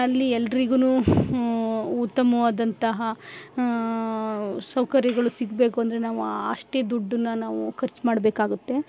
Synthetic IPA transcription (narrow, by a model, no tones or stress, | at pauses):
ɐlːiɛlːɐɾiɡunuː | ut̪ːɐmɐʋaːd̪ɐnt̪ɐɦɐ | sɐwkɐɾjɐɡɐɭusiɡbe̞ːkuɐnd̪ɐɾe̞naːʋuaɐʂʈe̞ːd̪uɖːunːɐnaːʋukʰɐɾt͡ʃmaːɽbeːkaːɡut̪ːe̞